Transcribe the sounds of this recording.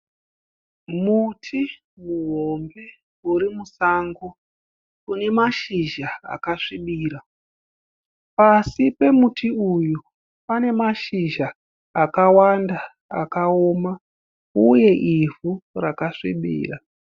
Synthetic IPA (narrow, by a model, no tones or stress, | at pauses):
mutʰi | muɦo̞mbe̞ | uɾimusaːŋɡo | une̞maʃiʒaa̰kaʂiɓiːɾa | pasipe̞mutʰiuju | pane̞maʃiʒaː | kawanda | a̰kaoːma | uje̞ʔivurakaʂḭɓḭːra